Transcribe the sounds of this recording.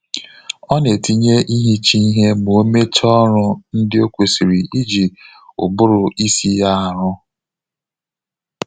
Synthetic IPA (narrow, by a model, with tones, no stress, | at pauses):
ɔ˦ne˨ti˦ɲe˦ʔi˦ɦi˦t͡ʃi˦ɦe˦m˨o˦me˦t͡ʃɔ˦ɾʊ˦n̩˦dɪ˦o˦kʷe˨si˨ɾi˨ʔi˦d͡ʒi˨ | ʊ̰˨bʊ˦ɾʊ˨i˦si˦ja˦a˨ɾʊ˦